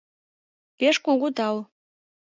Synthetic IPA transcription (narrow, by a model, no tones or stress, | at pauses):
peʃkuɡud̪ɑw